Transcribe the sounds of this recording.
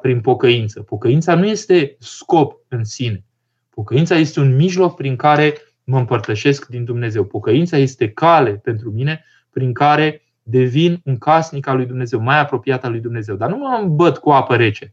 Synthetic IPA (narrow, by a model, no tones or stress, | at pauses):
pɾinpo̞kəint̪səpo̞kəint̪sanuje̞st̪e̞sko̞p̚ | ɨnsine̞ | po̞kəint̪saje̞st̪e̞unmiʒlo̞k̚pɾiŋkaɾe̞ | məɨmpərt̪əʃe̞skd̪ind̪umne̞ze̞wpo̞kəint̪saje̞st̪e̞kale̞pe̞nt̪ɾumine̞ | pɾiŋkaɾe̞ | d̪e̞vinɨŋkasnikalujd̪umne̞ze̞wmajapɾo̞piat̪alujd̪umne̞ze̞wd̪arnuməambət̪kuapəɾe̞t͡ʃe